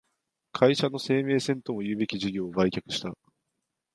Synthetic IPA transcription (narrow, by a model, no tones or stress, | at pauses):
kʰaiɕanːo̞se̞ːme̞ːsẽ̞nt̪o̞mo̞jɯ̟ːbe̞kʲiʑiɡʲo̞ːbaikʲakɯ̟ɕi̥t̪a